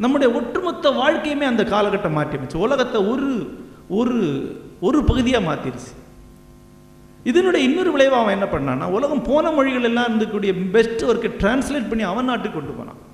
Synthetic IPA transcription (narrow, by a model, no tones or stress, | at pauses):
nɐmːɯɽɐjɐɔʈːrɯmɔt̪ːɐʋaːɻkɐjɐmeːɐnd̪ɐkaːlɐkːɐʈːɐmaːʈːɪɐmɐt͡ʃːɯʊlɐɣɐt̪ːɐɔɾɯ | ɔɾɯɔɾɯpɐɣɯðɪjaːmaːt̪ɪɾt͡ʃːi̥ | ɪðɐnɯːɽɐɪnːɯɾɯʋɪɭɐɪʋaːʋɐ̃ɛnːɐpɐɳːa̰ːnːa̰ːʊlɐɣɐmpoːnɐmɔɻɪɣɐɭɛlːãːɪɾɯnd̪ɯkːuːɽɪjɐbɛsʈːɯɔɾɯkːɯʈɾaːnsleːʈ̚pɐɳːiɐʋɐnːaːʈːɯkːɔɳɖɯpo̰ːnã̰ː